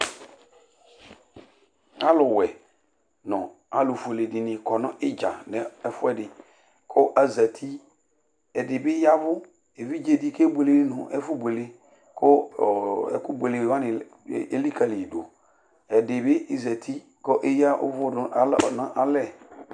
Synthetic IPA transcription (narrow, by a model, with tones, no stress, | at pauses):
a˦lʊ˨wɛ˨ | nɔ̃˨a˨lʊ˨fo˨le˨dɪ˨nɪ̃˨kɔ˨nʊ̃˦ʔɪ˦d͡ʒa˨nɛ˨ɛ˦fʊ˦ɛ˦dɪ˨ | kʰɔ˦ʔa˨za˨tʰi˦ | ɛ˨dɪ˨bɪ˦ja˦vʊ˦ | e˨vi˦d͡ʒe˨di˦kʰe˦be˨le˨ɪ˦nʊ̰̃˨ʔɛ˦fʊ˦be˨le˦ | kʰʊ˦˨ | ɛ˦˨kʊ˦be˨le˨wa˦nɪ˨˦ | e˦li˦kʰa˨lɪ˨do˨ | ɛ˨dɪ˨bɪ˦ɪ˦za˨tʰi˦ | kɔ˦ʔe˦ja˦ʔʊ̰˦vʊ˦dʊ˨˦ɔ˨nã˦ʔa˦lɛ˦˨